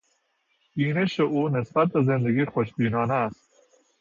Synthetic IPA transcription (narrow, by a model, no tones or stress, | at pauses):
ineʃeonɪsbat̪̚d̪əzɪ̃nd̪ɐɡixoʃbiːnɑːnaːst̪